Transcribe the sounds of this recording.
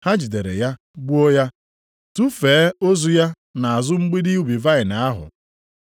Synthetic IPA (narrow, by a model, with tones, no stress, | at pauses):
ha˦d͡ʒi˨de˨ɾḛ˨ja˦ | ɡ͡bu˦o˦ja˦ | tu˦feː˨˦o˦zu˦ja˦ | na˨a˨zʊ˦ŋ͡m̩˦ɡ͡bi˦di˦u˦bi˨va˦ɪ˨na˨a˦ɦʊ̰˨